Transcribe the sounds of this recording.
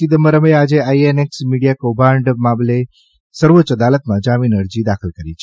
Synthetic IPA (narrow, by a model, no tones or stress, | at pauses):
id̪əməɾəmead͡ʒeaieneksmiɽijakobãɳɖmamle | səɾʋot͡ʃəd̪alət̪mãd͡ʒaminəɾd͡ʒid̪axəlkəɾit͡ʃʰe̥